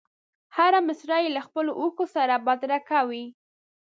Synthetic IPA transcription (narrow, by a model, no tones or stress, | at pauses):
haɾamɪsɾɑjelaxpəloʔuxosaɾabad̪ɾakawi